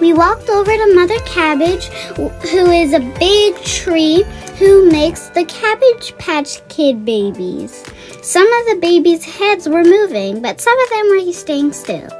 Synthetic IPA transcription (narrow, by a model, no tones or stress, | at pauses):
wiwɔk̚toʊvə˞ɾɨmʌðə˞kʰæbɪ̥ʒ̥huɪzɨbɪɡ̚tʰɹ̥ihumeɪksðɨkʰæbɪ̥ʒ̥pʰæt͡ʃkʰɪd̚beɪbḭz̥ | sʌ̃mʌvðɨbeɪbiz̥hɛdzwə˞muvɪ̃ŋbʌtsʌ̃mʌvðɨ̃mwə˞jisteɪɪ̃ŋstɪ̰lˠ